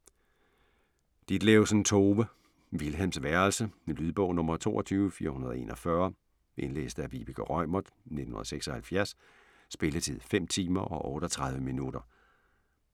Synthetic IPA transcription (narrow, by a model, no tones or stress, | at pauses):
d̥id̥leosnt͡sʰo̝ːʋə | ʋilɦemsʋæɐlsəlyðˠb̥ɔ̽ʊnɔ̽mɐt͡sʰo̝̰ːɒt͡sʰyːʊəfiːɐhunɐð̞ˠe̝̰ːnɒfɶɐ | ʔe̝nlḛːsd̥əæbḭb̥iɡ̥ʰəʁɒmɐðˠne̝dn̩hunɐð̰ˠseɡ̥sɒ̽hælfjæɐsː | b̥e̝lət͡sʰið̰ˠfem̰t͡sʰiːmɐʔɒ̽ʔɔ̽ːɾ̥ɒt͡sʰʁɑ̈ð̞ˠʋəminud̥ɐ